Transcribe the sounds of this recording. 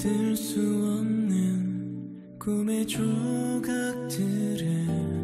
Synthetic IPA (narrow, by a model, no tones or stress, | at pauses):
tɯɭs͈uʌnːɯn | kumet͡ɕoɡak̚tʰɯɾɯ